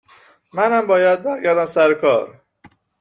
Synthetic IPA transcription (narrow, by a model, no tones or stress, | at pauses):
mænæmbɒːjæd̪̚bæɾɡæɾd̪æmsæɾekʰɒːɾ